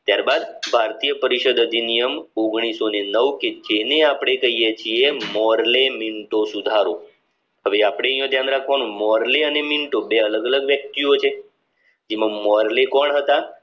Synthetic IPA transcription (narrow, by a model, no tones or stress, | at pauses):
t̪jaɾbad̪bʱaɾt̪ijəpəɾiʃəd̪əd̪ʱinijəmoɡɽ̃isonenəʋked͡ʒeneapɽ̃ekəɦijet͡ʃʰiemɔɾlemiɳʈosud̪ʱaɾo | ɦəʋeapɽ̃ejə̃t̪jãnɾakʰʋanũmɔɾleəneminʈobeələɡələɡʋjək̚t̪iot͡ʃʰe | d͡ʒemãmɔɾlekɔɳɦət̪a